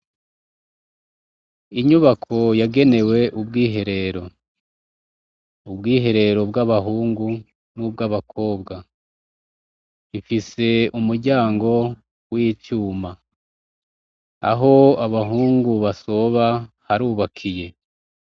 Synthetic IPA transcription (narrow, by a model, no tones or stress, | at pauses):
iɲuβakʰo̞jaɡe̞ne̞we̞ʔub̚ɡiːɦe̞ɾe̞ɾo̞ | ubɡiːɦe̞ɾe̞ɾo̞bɡaβaɦuːŋɡu | nub̚ɡaβakʰo̞ːbɡa | ifise̞umuɾɟaːŋɡo̞ | wicuːma | a̰ɦo̞aβaɦuːŋɡuβaso̞βa | haɾuːβakʰije̞